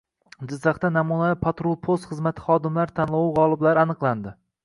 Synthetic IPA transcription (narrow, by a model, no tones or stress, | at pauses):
d͡ʒɪzːɑχt̪anamunapʰat̪ɾolˠpʰost̪χɨzmat̪ʰɪ̥χɒːd̪ɪmlaɾt̪ʰanlˠawuʁɒlˠɪblaɾɪanɨqlˠand̪ɪ